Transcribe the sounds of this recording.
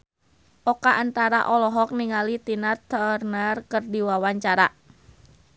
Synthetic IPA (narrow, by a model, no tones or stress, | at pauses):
ʔɔkaʔant̪aɾa̰ʔɔlɔɦɔk̚niŋalit̪inat̪ərnarkərdiwawaɲt͡ʃaɾa